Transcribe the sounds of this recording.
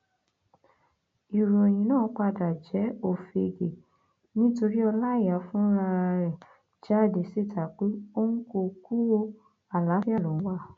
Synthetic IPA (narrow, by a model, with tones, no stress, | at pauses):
i˨ɾo˨j̃ĩ˨nãː˦˨˦k͡pa˧da˨d͡ʒɛ˨˦o˦˨fe˨˧e˧˨ɡe˨ | nĩ˦to˧ɾi˦ɔ˧la˦˨ja˨˦fũ˦ɾa˧ɾɛ˦˨ | d͡ʒa˦˨de˨si˦˨tʰa˨˦k͡pe˦o˦ŋ̩˦ko˧ku˦wo˧ | a˦˨la˨˦fi˦a˦˨lɔ̃˨˦wa˧˦